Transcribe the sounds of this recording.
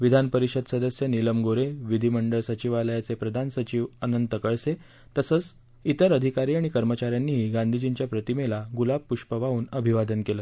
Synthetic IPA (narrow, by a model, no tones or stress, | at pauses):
ʋid̪ʱanpəɾiɕəd̪səd̪əsjəniləmɡoɾeʋid̪ʱiməɳɖəɭsət͡ɕiʋaləjat͡sepɾəd̪ʱansət͡ɕiʋənənt̪əkəɭse | t̪əsəːt͡s | it̪əɾəd̪ʱikaɾiːaɽ̃ikəɾmət͡ɕaɾjanːiːɦiːɡãnd̪ʱid͡ʑint͡ɕjapɾət̪imelaɡulab̚pːuʂpəʋauːnəbʱiʋad̪ənkeləː